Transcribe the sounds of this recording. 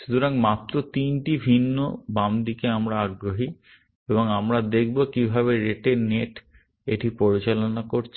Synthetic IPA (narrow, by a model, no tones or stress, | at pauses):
ʃud̪ʱuɾaŋmat̪ːɾot̪inʈibʱinːo̰bamd̪ikeamɾaaɡɾoɦi | eboŋamɾad̪ek̚ʰbokibʱaβeɾeʈeneʈ | eʈipoɾit͡ɕalonakoɾt͡ɕʰ